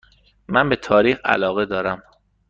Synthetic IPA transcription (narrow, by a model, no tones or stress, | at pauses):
mænbe̞t̪ʰɒːɾiːxæ̰lɒːɣe̞d̪ɒːɾæm